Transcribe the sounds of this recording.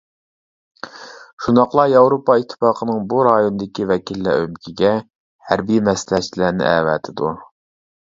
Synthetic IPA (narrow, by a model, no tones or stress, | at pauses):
ʃund̪ɑqlˠɑjɑwɾopɑit̪ʰːɪ̥fɑːqʰənɨŋbuɾɑjonɨd̪ɪkʲivɛkʲʰilːæ̰ømkʲʰiɡʲɛ | hæɾbijmɛsɪlɛt͡ʃʰːilænɪ̰ʔɛ̰vɛ̰ːt̪ʰɪd̪u